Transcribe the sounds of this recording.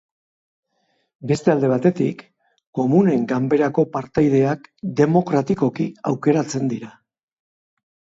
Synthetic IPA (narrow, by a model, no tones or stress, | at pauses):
be̞st̪e̞ald̪e̞β̞at̪e̞t̪ik | kːo̞mune̞ŋɡambe̞ɾako̞paɾt̪ajð̞e̞akd̪e̞mo̞kɾat̪iko̞kiawke̞ɾat͡se̞nd̪iɾa